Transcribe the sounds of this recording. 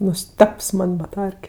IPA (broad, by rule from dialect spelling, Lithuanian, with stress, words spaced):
nʊˈsʲtʲɛps ˈmɐnʲ bɐˈtɐrʲkʲɛ